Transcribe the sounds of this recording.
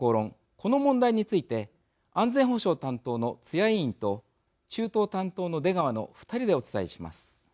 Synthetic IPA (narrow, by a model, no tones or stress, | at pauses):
oːɾõ̞ŋ | kʰo̞no̞mõnd̪aiɲ̟it͡sɨit̪e̞ | ãnd͡zẽ̞ɰ̃ɦho̞ɕo̞ːt̪ãnt̪o̞ːno̞t͡sɨjaiĩnt̪o̞ | t͡ɕɨːt̪o̞ːt̪ãnt̪o̞ːno̞d̪e̞ɡaβano̞̰ɸɯ̟̥t̪aɾʲid̪e̞o̞t͡sɨ̥t̪aiɕima̰sɨ̥